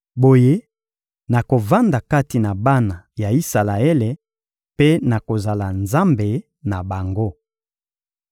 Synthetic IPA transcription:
bo˨je˦ | na˨ko˨va˦nda˨ka˦ti˨na˨ba˦na˨ja˨i˦sa˨la˨ɛ˦le˨ | pe˦na˨ko˨za˨la˨nza˦mbe˨ | na˨ba˨ŋɡo˦

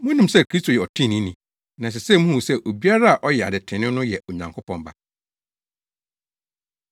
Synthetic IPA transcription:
mʊ̃˦nũ˨msɛ˦˨kʰi˦stʰo˨jɛ˨ɔ˨tʰĩ˦˨nĩ˦nĩ˨ | nã˨s̬ɪ˨sɛ˦˨mũ˦hu˨sɛ˦˨ʔo˨bi˦a˦ɾa˦a˨ʔɔ˦jɛ˨a̰˨dɪ˨tʰɪ̃˨nɪ̃˦nʊ̃˦jɛ˨o˨ɲã˨ŋkʰʊ˦pʰɔ̃˨mba̰˨

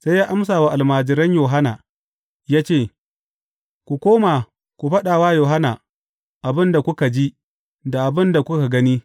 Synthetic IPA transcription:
sa˦jaː˦ʔa˦ms̬aː˨wa˨ʔa˨lmaː˨d͡ʒɪ˨ɾɐ˦ɲjoː˨ɦa˦na̰ː˨ | jaː˦t͡ʃeː˦˨ | kʷu˨kʷoː˦ma˨ | kʷu˨ɸɐ˦ɗaː˨waː˦joː˨ɦa˦na̰ː˨ | ʔa˨bɪ˦nda˨kʷʊ˦ka˨d͡ʒi˦ | da˨ʔa˨bɪ˦nda˨kʷʊ˦ka˨ɡɐ˦ni˦

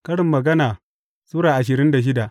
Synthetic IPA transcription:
kɐ˦ɽɪ˨mːɐ˨ɡɐ˦naː˨ | suː˦ɽaː˨ʔa˨ʃ̬ɪ˨ɾɪ˦nda˨ʃ̬ɪ˦da˨ʔ

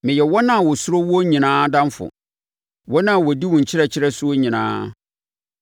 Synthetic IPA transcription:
mɪ̃˨jɛ˨wɔ˦nã˦˨wʊ˨sʊ˦ɾo˦wɔ˦ɲĩ˨nãː˦dã˦m˦fʊ̰˨ | wɔ˦nã˦˨wɔ˨di˦wʊ̃˨ɲ̩˨t͡ɕʰɪ˦ɾɛ˦t͡ɕʰɪ˦ɾɛ˦sʊ˦o˦ɲĩ˨nã̰ː˦

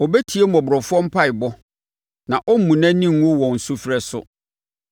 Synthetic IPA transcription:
ɔ˨bɛ˦tʰi˨˦e˦mɔ̃˨bʊ˨ɾɔ˨fʊ˦ɔ̃˦m̩˦pʰa˦ɪ˨bɔ˦ | nã˨ʔɔ˦m̩˦mũ˨næ̃˦nĩ˦˨ŋ˦o˦wɔ̃˨n̩˨sʊ˦fɾɛ˦sʊ̰˦

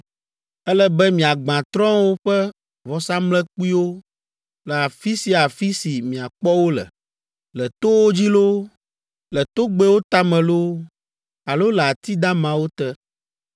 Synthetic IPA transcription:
ɛ˦lɛ˦bɛ˦mĩ˨a˨ɡ͡bã˨t̪ɾɔ̃˦wo˦ɸɛ˦ | vɔ˨sa˦mlɛ˦k͡pu˦i˦wo˦ | lɛ˨a˨fi˦si˦a˨fi˦si˨mĩ˨a˨k͡pɔ˦wo˦lɛ̰˨ | lɛ˨t̪o˦wo˦d͡ʑi˦lo˦ | lɛ˨t̪o˦ɡ͡bɛ˦wo˦t̪a˦mɛ̃˨lo˦ | a˨lo˦lɛ˨a˨t̪i˦d̪ã˦mã˦wo˦t̪ɛ˦

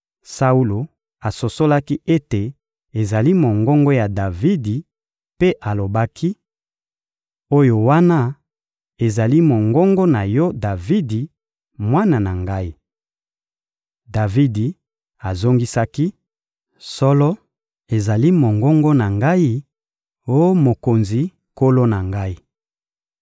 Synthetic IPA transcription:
sa˦u˦lo˨ | a˨so˨so˦la˦ki˦ʔe˦te˨ | e˨za˨li˦mo˨ŋɡɔ˦ŋɡɔ˦ja˨da˨vi˦di˨ | pe˦ʔa˨lo˨ba˦kʰi˦ | o˦jo˨wa˦na˦ | e˨za˨li˦mo˨ŋɡɔ˦ŋɡɔ˦na˨jɔ˦da˨vi˦di˨ | mwa˦na˨na˨ŋɡa˦i˦ | da˨vi˦di˨ | a˨zo˦ŋɡi˦sa˦ki˦ | sɔ˦lɔ˦ | e˨za˨li˦mo˨ŋɡɔ˦ŋɡɔ˦na˨ŋɡa˦i˦ | o˦mo˨ko˨nzi˨ | ko˦lo˦na˨ŋɡa˦i˦

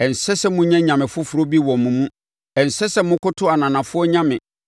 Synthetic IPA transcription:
ɛ˨n̩˨sɛ˦sɛ˦mʊ̃˦ɲã˦ɲã˨mɪ̃˨fʊ˦fʊ˨ɾo˦bi˦wɔ̃˨m˨mũ˨mũ˦ | ɛ˨n̩˨sɛ˦sɛ˦mʊ̃˦kʊ˦tʰʊ˦a˨nã˨nã˨fʊ˦ɔ˦ɲã˦mɪ̃˨

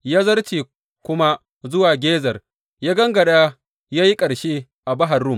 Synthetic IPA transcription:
jaː˦zɐ˦rtiː˨ | kʷʊ˦ma˦ | zʊ˦waː˨ɡʲeː˦zɐ˨r | jaː˦ɡɐ˦ŋɡɐ˨ɗa˦ | jaː˦ji˦kʼɐ˨ɽʃeː˦ | ʔa˨bɐ˦ɦa˨rːʊ˦˨m

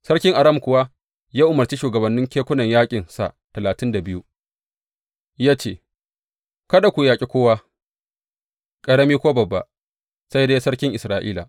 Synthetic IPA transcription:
sɐ˦ɽkʲɪ˦ŋʔa˨ɾɐ˦mkʷʊ˨wa˦ | jaː˦ʔʊ˨mɐ˨rt͡ʃi˦ʃuː˨ɡɐ˨bɐ˨nːɪ˦ŋkʲeː˦kʷʊ˦nɐ˨ɲjaː˦kʲʼɪ˨nsa̰˨ | tɐ˨laː˨tɪ˦nda˨bɪ˦ju˦ | jaː˦t͡ʃeː˦˨ | kɐ˦ɗa˨kʷu˨jaː˨kʲʼi˦kʷoː˦waː˦ | kʼɐ˦ɽɐ˦miː˦kʷoː˦bɐ˨bːa̰˨ | sɐ˦jdeː˦sɐ˦ɽkʲɪ˦ŋʔɪ˨sɾaː˨ʔiː˦la̰˨ʔ

